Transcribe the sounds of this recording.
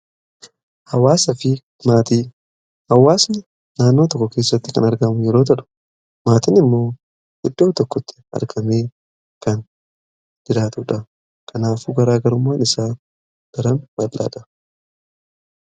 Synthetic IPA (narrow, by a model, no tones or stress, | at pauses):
hɐwaːsɐfɪ | maːt̪iː | hɐwaːsnɪ | naːnːo̞ːt̪ɔkːɔke̞ːsːɐt̪ːɪkɐnɐɾɡɐmʊjɛɾo̞ːt̪̬ɐᶑʊ̥ | maːt̪ɪnɪmːo̞ː | hɪd̪ːoːt̪ɔkːɔt̪ʰːɪ̥ɐ̰ɾɡɐmeː | kɐn | d̪̥ɪɾaːt̪uːᶑɐ | kʰɐnaːfuɡɐɾaːɡɐɾʊmːaːnɪsaː | d̪̥ɐɾɐmbɐlːa̰ːᶑɐ̥